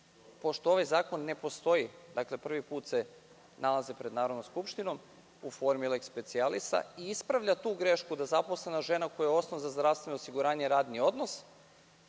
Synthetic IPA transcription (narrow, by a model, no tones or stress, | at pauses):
po̞ʃt̪oo̞ʋajzaːko̞nːe̞po̞st̪o̞id̪akle̞pr̩ʋipuːt̪se̞ | nalˠazepɾed̪naːɾo̞d̪nomskupʃt̪ino̞m | ufo̞ɾmilekspe̞t̪sialist̪a̰iispɾaʋʎat̪uːɡɾe̞ʃkud̪azapo̞sle̞naʒe̞nako̞jajeo̞snoʋzazd̪ɾaʋst̪ʋe̞nosiɡuɾaːɲeɾaːd̪nio̞d̪no̞s